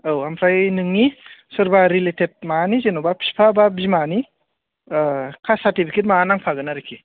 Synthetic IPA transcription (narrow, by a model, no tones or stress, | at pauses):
awampʰɾajnɯŋːisɯɾbaɾiletʰet̚manizenobapʰi̥spʰababimani | kʰasaɾtipʰiket̬maːnaŋpʰaɡɯnaɾekʰi